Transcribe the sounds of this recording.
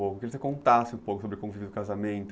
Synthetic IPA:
okʊkɪvos̬ekõnt̪asɪũpowkʊsobɾɪkõvivɪd̪ʊkazamẽnt̪

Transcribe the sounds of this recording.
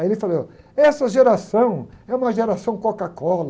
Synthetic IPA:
ajelɪfalow | ɛsɐʒeɾasɐ̃w̃ɛũmɐʒeɾasɐ̃w̃kokakɔlɐ

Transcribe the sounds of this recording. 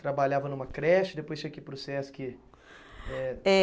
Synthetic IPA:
t̪ɾabaʎavɐnũmɐkɾɛʃt͡ʃɪ̥d̪epojst͡ʃĩɲɐkelpɾosɛsʊ̥kɪ | ɛɛ

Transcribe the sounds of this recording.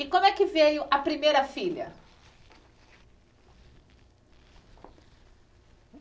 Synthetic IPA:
ɪkõmʊɛkɪvejʊʔɐpɾimejɾɐfiʎɐ̰

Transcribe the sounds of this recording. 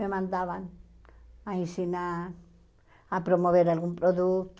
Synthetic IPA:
memãnd̪aβan | ajsinaɾ | apɾomoβeɾalɣumpɾoðukt̪

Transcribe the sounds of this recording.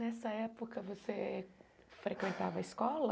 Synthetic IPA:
nɛsɐɛpokɐvose | fɾekwẽnt̪avɐiskɔlɐ

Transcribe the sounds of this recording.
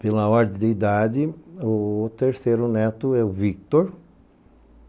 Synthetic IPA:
pelɐɔɾd̪ẽd̪eid̪ad̪ɪʊt̪eɾseɾʊnɛt̪ʊɛʊvik̚t̪oɾ

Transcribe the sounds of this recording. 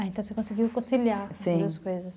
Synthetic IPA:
ẽnt̪ɐ̃w̃sekõsiɡiwkõsiliãsĩd̪uɐskojzɐs

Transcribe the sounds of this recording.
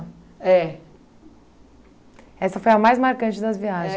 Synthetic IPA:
ɛ | ɛsɐfojɐmajzmaɾkɐ̃nt͡ʃɪd̪ɐzviaʒẽ

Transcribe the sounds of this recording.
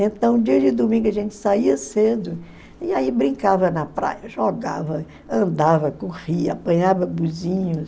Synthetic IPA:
ẽt̪ɐ̃w̃d͡ʒiɐd͡ʒɪd̪umĩɡʊɐʒẽnt͡ʃɪ̥saiɐsed̪ʊ | iaibɾĩkavɐnɐpɾa̰jɐʒɔɡavɐ | ɐ̃nd̪avɐkoʁiɐapɐ̃ɲavɐbuzĩɲʊs

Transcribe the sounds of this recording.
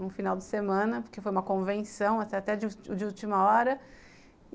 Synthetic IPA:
ũfinawd͡ʒɪsemɐ̃nɐpoɾkefojũmɐkõvẽnsɐ̃w̃ɐsat̪ɛd͡ʒɪd͡ʒɪut͡ʃimɐɔɾɐ

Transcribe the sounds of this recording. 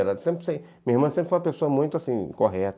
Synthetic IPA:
eɾɐ̃sẽmpɾɪ̥sẽmĩɐiɾmɐ̃sẽpɾfoũmɐpesoɐmũj̃t̪ʊasĩkoɦɛt̪

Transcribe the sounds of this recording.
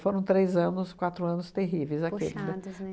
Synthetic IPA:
foɾɐ̃w̃t̪ɾejzɐ̃nʊskwat̪ɾʊɐ̃nʊst̪eɦivejzakḛlɪznɛ

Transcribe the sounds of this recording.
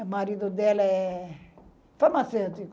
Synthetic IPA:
maɾid̪od̪ɛlɐɛ | faɾmasewt̪ik

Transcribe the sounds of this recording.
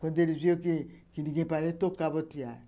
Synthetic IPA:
kondeɾiziokikiniɡẽpanetokːabɔtija

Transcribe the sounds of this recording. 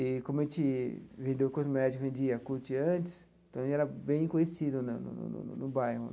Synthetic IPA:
ɪkõmʊɛʒẽnt͡ʃɪvẽnd̪ewkozmɛd͡ʒikvẽnd͡ʒiɐkuɾt͡ʃɪɐ̃nt͡ʃɪ̥s | t̪ɐ̃w̃ẽt͡ʃɛɾɐbẽj̃kõjesid̪ʊnɐnʊ̰nʊ̰n̰nʊbajɦʊ

